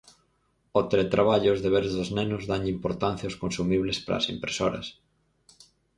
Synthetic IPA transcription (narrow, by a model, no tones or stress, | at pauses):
ot̪elet̪ɾaβ̞aʎʊzðeβ̞eɾzðoznenʊzðaŋimpoɾt̪anθjaoskonsumiβlespɾɐ̰simpɾesoɾɐ̰s